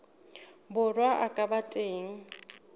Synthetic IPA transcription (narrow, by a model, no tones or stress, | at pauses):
bʊrwaʔakʼabatʼeːŋ̩